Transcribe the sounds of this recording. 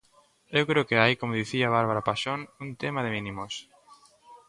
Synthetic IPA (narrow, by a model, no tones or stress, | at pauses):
ewkɾewkɪaikomoðiθiaβ̞aɾβaɾapaʃonunt̪emaðɪmĩnimos